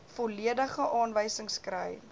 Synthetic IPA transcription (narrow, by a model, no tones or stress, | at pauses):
foliədəχəʔɑːnvəjsəŋskɾəj